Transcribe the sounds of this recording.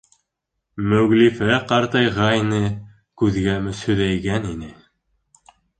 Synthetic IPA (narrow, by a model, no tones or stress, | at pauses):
mɵɣlifæqɑɾt̪ɤjʁɑjnɤ | kʉðɡæmɘsɵ̆ðæjɡæninɘ